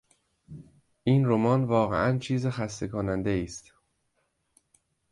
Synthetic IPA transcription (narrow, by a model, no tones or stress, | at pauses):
ʔiːnromɒːnvɒːɣḛʔænt͡ʃʰiːzexæst̪e̞kʰonænd̪eiːst̪